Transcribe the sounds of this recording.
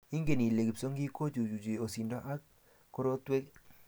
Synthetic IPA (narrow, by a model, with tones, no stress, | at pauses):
i˦ŋɡe˦˨ni˨le˨ki˨so˦ŋɡi˦ko˦t͡ʃu˨d͡ʒu˨d͡ʒe˨o˨si˨ndɔ˦ʔa˦k̚ | ko˦ɾo˦twe˦k